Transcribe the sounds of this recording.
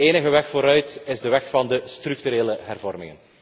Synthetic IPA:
eːnəɣəʋɛxfoːɾœɥtɪzdəʋɛxfɑndəstryk̚tyɾeːləɦɛrvɔrmɪ̰ŋən

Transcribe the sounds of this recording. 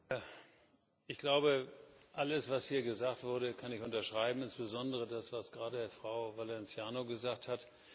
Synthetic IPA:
ja | ʔɪçɡ̥laʊbəʔaləsv̥ashiːɐɡəzaːktv̥ʊɐɾəkʰanɪçʔʊntɐʃʁ̥aɪbm̩ɪnsb̥əzɔndəʁ̞ədasv̥asɡ̥ʁaːdədeːɐfʁ̥aʊvalɛnt͡sjaːnoɡəzaːk̚that

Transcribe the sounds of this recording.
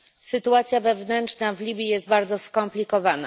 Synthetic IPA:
sɘt̪uat̪sʲjavɛvnɛnt͡ʂnavlʲibʲjijɛst̪̚baɾd̪zɔskɔmplʲikɔvana̰

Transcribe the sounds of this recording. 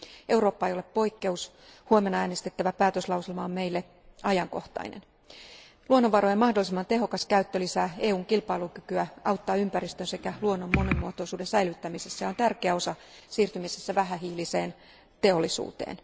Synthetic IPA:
ewɾo̞ːpːɑejo̞leppo̞jkːe̞us | huomenːɑæːnest̪e̞t̪ːæʋæpæːt̪øslɑwsilmɑomme̞jlːe | ɑjɑŋko̞ht̪ɑ̰inḛn | luonːoʋɑɾoemɑhdolːˑisimːɑnt̪e̞ɦo̞kɑskæyt̪ːølisæːeːuːŋkilpɑiluŋkykyæɑwt̪ːɑːympæɾist̪ønse̞kæluonːo̞mːonimːuot̪oisuːdensæjlyt̪ːæmisesːæjo̞nt̪ærkeæo̞sɑsiːrt̪ymisesːæʋæɦæɦiːlise̞ːn | t̪e̞o̞lːˑisṵːt̪ḛːn

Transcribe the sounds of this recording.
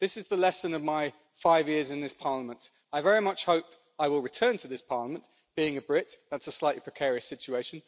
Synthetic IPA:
ðɪsɨzðəlɛsə̃nʌvmaɪ | faɪvjɪəzɨ̃nðɪspʰɑɹləmə̃nt | aɪvɛɹimʌt͡ʃhəʊp̚ | aɪwɪlˠɹɨtʰɜ̃ːntʰəðɪspʰɑɹləmə̃n | b̥iɪ̃ŋɨbɹɪtðætsəslaɪʔlipʰɹ̥ɨkʰɛːɹiɨsɪt͡ʃʉeɪʃɨ̃n

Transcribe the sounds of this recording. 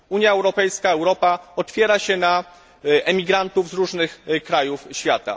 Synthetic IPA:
uɲjaɛwɾɔpɛjskaɛwɾɔpaɔt̪fʲjɛɾaɕɛna | ʔɛmʲiɡɾant̪uvzɾuʐnɘxkɾajufɕfʲjat̪a̰

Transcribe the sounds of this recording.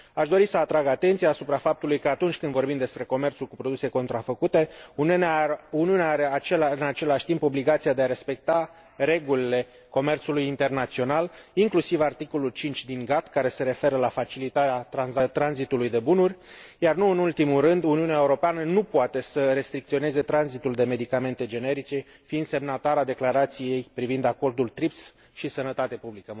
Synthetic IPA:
aʃd̪o̞ɾisəat̪ɾaɡat̪e̞nt̪sijaːsupɾafap̚t̪ulujkəat̪unt͡ʃʲkɨnd̪vo̞rbimd̪e̞spɾe̞ko̞me̞rt̪sulkupɾo̞d̪use̞ko̞nt̪ɾafəkut̪e̞uniuneuniuneaaɾe̞at͡ʃelaɨnat͡ʃe̞laʃʲt̪impo̞bliɡat̪siad̪e̞aɾe̞spe̞k̚t̪a | ɾe̞ɡulile̞ | ko̞me̞rt̪sulujint̪e̞rnat̪sio̞naliŋklusivart̪iko̞lult͡ʃint͡ʃʲd̪iŋɡat̪kaɾe̞se̞ɾe̞fe̞ɾəlafat͡ʃilit̪aɾeat̪ɾanzat̪ɾanzit̪ulujd̪e̞bunurʲjarnuɨnult̪imurɨnd̪uniuneaeuɾo̞peanənupoat̪e̞səɾe̞st̪ɾik̚t̪sio̞ne̞ze̞t̪ɾanzit̪uld̪e̞me̞d̪ikame̞nt̪e̞d͡ʒe̞ne̞ɾit͡ʃe̞ | fiːnd̪se̞mnat̪aɾad̪e̞klaɾat̪sije̞jpɾivind̪ako̞rd̪ult̪ɾips | ʃisənət̪at̪epublikə

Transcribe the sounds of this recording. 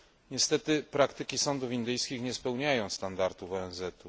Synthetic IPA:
ɲɛst̪ɛt̪ɘpɾakt̪ɘkʲisɔnd̪ufind̪ɘjskʲixɲɛspɛwɲajɔ̃w̃st̪and̪aɾt̪ufɔɛnzɛt̪u

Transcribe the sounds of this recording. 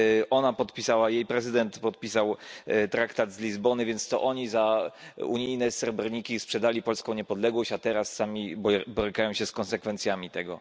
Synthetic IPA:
ʔɔnapɔt̪pʲisawajejpɾɛzɘd̪ɛnt̪pɔt̪̚pʲisawt̪ɾakt̪ad̪zlʲizbɔnɘvʲjɛnt̪st̪ɔ̰ʔɔɲizaṵɲijnɛsɛɾbɔɾɲikʲispʂɛd̪alʲipɔlskɔ̃w̃ɲɛpɔd̪lɛɡwɔɕt͡ɕat̪ɛɾasːamʲibbɔɾɘkajɔ̃w̃ɕɛskɔnsɛkfɛnt̪sʲjamʲit̪ɛɡɔ̰

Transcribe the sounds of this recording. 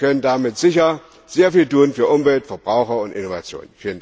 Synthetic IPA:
kʰœnəndamɪtz̥ɪçɐ | z̥eːɐfiːltuːnfyːɐʔʊmvɛltfɛɐbʁaʊxɐʊntʔɪnova̰t͡sjo̰ːnənfiːlənd

